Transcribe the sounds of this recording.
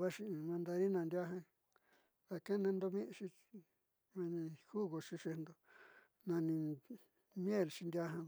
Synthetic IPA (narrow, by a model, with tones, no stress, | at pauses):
βa˦ʂi˧mã˧nd̪a˧ɾi˦nã˧nd̪ja˦ɦã˧ | ða˧kẽ˦nẽ˧nd̪o˧mĩ˦ʔʃi˧ | mã˧nĩ˧hu˦˨ɣo˧ʂi˧ʂe˧nd̪o˧ | nã˧nĩ˧ | mj̃e˦˨lʃi˧nd̪ʲa˧ɦã˧